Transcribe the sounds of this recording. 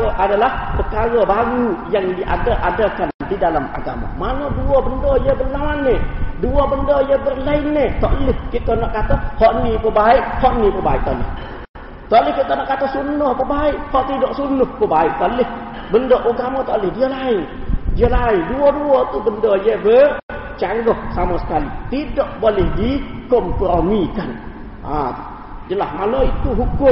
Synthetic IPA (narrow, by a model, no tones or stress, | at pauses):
əʔadalahpəkaɾəbaɾujaŋdiʔa̰dəʔadəkandidalama̰ɡa̰ma̰manoduɔbəndɔjəbərlawanːeduɔbəndɔjəbərlaɪnːet̪ɔʔəlɪhkit̪ənɔʔkat̪əp̚hɔʔnipəbaɪʔhɔʔnipəba̰ɪ̰ʔ̚t̪ɔʔlɪ̰h | t̪ɔʔlɪhkit̪ənɔʔkat̪əpsunʊhpəbaɪʔhɔʔt̪idɔʔsunʊhpəbaɪʔ̚t̪ɔʔlɪh | bəndɔʔuɡamɔt̪ɔʔlɪhdiəlaɪndiəlaɪnduɔduɔt̪ubəndɔjəbət͡ʃaŋɡɔhsamɔsə̥kalit̪idɔʔbolɛhdikɔmkəɾonikan | a̰ | d͡ʒəlahmaloit̪uɦukʊm